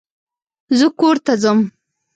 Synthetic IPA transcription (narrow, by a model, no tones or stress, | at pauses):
zəkoɾt̪azəm